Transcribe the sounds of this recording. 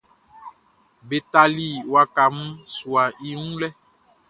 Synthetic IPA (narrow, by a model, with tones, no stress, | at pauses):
be˨t̪a˨li˦˨wa˦ka˨m̩˦su˨a˨ʔi˦ŋũ˦lɛ˦